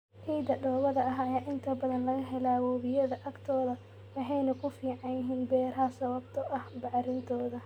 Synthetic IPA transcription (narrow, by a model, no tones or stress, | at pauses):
ʕiːd̪ɐɖɔːβɐðɐɐɦɐjaːʔɪnt̪ʰɐbɐðɐnlɐɣɐɦɛlawɔːβɪjɐðɐʔɐɡt̪ʰɔːðɐ | wɑħɑjnɐkʰʊfiːʕɑnjɪɦiːnbɛːɾɐɦɐsɐβɐbt̪ʰɔʔɐhbɑʕɾɪnt̪ʰɔːðɐ